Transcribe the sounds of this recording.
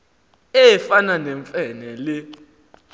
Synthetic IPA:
ɛfananɛɱfʼɛnɛlɪ

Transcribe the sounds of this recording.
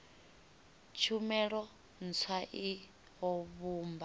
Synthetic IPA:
t͡ʃʰumɛɺɔ | n̩t͡sʰwaʔi | ɦɔβuːmba

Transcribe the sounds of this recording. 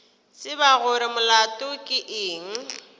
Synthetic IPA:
sɪbaɣʊɾɪmʊlatʼʊkʼɪʔɪːŋ̩

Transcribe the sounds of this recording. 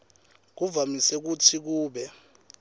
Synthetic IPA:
k̬uvamisɛk̬utʰik̬uːɓɛ

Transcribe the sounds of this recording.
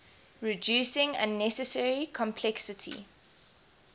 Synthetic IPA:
ɹid͡ʒuːˑsɪ̃ŋə̰̃nɛsəsɛɹikʰɔ̃mpʰlɛksətʰḭ

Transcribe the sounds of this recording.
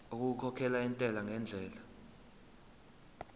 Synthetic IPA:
uk̬ʼuukʰɔkʰɛlaintʼɛlaŋɛnd͡ɮʱɛːla

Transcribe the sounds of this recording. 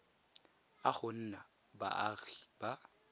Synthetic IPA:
aχʊn̩na | ba̰ʔaɣiba

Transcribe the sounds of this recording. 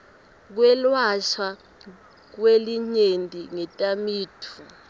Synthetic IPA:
k̬wɛlwaʃwa | k̬weliɲentʼiŋɛtʼamiːtʰu

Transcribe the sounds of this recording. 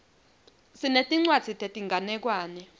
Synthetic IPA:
sinetʼiŋ͡ǀwad̥z̥ʱitʰʼetʼiŋɡʱanɛk̬waːnɛ

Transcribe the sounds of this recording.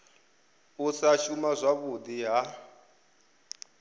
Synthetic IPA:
usaʃumazʷaβud̪iɦa

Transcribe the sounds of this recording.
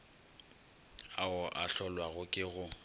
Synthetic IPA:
aʊʔaɬɔlwaɣʊkʼɪɣʊ

